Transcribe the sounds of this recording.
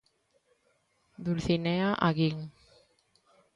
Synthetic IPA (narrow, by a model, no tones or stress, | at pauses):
d̪ulθineaʔaɣiŋ